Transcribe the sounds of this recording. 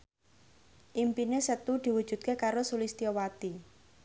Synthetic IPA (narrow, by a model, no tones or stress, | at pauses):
ʔimpinesət̪ud̪̥i̤wud̥ʒ̥ṳd̪̚kekaɾosulist̪iɔwat̪i